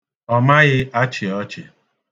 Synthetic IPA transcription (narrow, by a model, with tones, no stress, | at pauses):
ɔ˦ma˦ɣɪ˦a˦t͡ʃɪ˨ɔ˦t͡ʃɪ˨